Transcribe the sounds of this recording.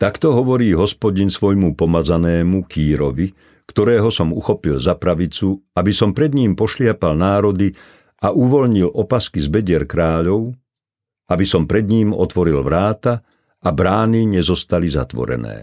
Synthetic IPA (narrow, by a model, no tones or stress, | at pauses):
t̪akt̪ɔɦɔʋɔɾiːɦɔspɔɟinsʋɔjmupɔmad͡zanɛːmukʰiːɾɔʋi | kt̪ɔɾɛːɦɔsɔmuxɔpilzapɾaʋit͡suabisɔmpɾɛd̪ɲiːmpɔʃlɪapalnaːɾɔd̪i | aʔuʋɔʎɲilʔɔpaskizbɛɟɪɛɾkɾaːʎɔʊ | abisɔmpɾɛd̪ɲiːmɔ̰t̪ʋɔɾilʋɾaːt̪a | abɾaːniɲɛzɔst̪aliza̰t̪ʋɔ̰ɾɛ̰nɛ̰ː